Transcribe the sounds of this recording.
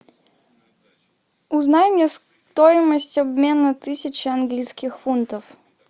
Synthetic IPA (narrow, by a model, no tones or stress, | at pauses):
uznajmnʲɛs | t̪ɔjɪməsʲtʲabmʲenət̪ɨsʲɪt͡ɕɪɐnɡlʲijskʲixfunt̪əf